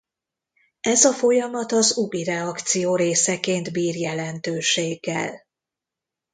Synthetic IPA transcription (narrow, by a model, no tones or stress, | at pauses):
ɛzɒfo̞jɒmɒt̪ɒzuɡiɾɛɒkt̪sijoːɾeːsɛkeːnd̪biːrjɛlɛnt̪øːʃeːɡːɛ̰l